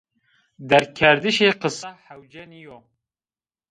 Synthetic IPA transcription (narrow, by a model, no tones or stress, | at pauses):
d̪ɛɾkʰɛɾd̪ɨʃeːqɨsɑħɐwd͡ʒɛnijo